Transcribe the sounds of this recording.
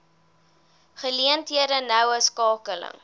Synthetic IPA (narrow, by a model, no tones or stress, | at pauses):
χəliəntɦiədənœwəskɑːkələ̰ŋ